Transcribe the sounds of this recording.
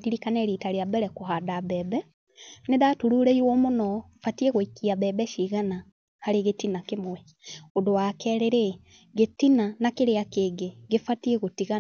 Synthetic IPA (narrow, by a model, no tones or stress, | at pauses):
diɾikaneɾitaɾeabɛɾɛkoɦadaβɛːbɛ | neðatuɾuːɾeiɾwomonɔ | fatieɣoikiaβɛbɛʃiɣana | haɾeɣetinakemwɛ | odowakɛɾeɾe | ɡetinanakeɾeakeɡeɡefatieɣotiɣa